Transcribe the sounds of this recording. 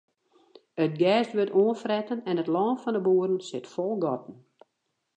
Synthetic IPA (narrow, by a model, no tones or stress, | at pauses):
ətɡɛːstʋøtoənfrɛtənɛnətlɔːnfɔndəbuːərən̩sɪtfɔlˠɡɔtən̩